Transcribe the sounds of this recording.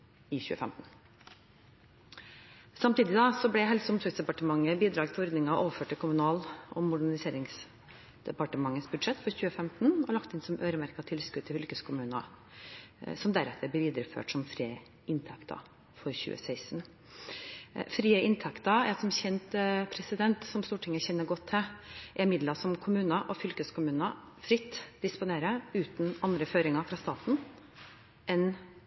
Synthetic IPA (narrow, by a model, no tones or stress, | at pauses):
ɪçʉ̰ːəfɛmt̪n̩ | sɑmt̪iːd̪ɪd̪ɑsɔblɛɦɛlsəʊmsɔsd̪ɛpɑʈəmɑŋːəbiːd̪ɾɑːɡt̪ʰɪlɔɾd̪nɪŋɑʔoːʋəføːʈːɪlkʰʊmʉnɑːlʔɔmːʊɖæɳɪseːɾɪŋs | d̪̥ɛpɑʈəmɑŋːəsbʉd̪ʂɛt̪ːfɔɾçʉːəfɛmt̪n̩ɔlɑkt̪ɪnsɔmʔøːɾəmæɾkɑt̪ʰɪlskʉd̪ʰɪʏlkəskʰʊmʉːnɑ̰ | sɔmd̪æɾɛt̪ʰːəb̪ɛʋiːd̪əɾəfø̰ːʈsɔmfɾiːə | ʔɪnt̪ʰɛkt̪ʰɑ̰ | fɔɾçʉ̰ːə̰sæɪsn̩ | fɾiːəʔɪnt̪ʰɛkt̪ɑɛsɔmçɛnt̪pʰɾɛsɪd̪ɛnt̪sɔmst̪uːʈʰɪŋːəçɛnːəɾɡɔt̪ʰːɛʔɛɾmɪd̪lɑsɔmkʰʊmʉːnəʔɔfʏlkəskʰʊmʉːnə | fɾɪt̪ːd̪̥ɪspʊneːɾəʉːt̪nɑnd̪ɾəføːɾɪŋɑfɾɑːst̪ɑːt̪n | ʔɛn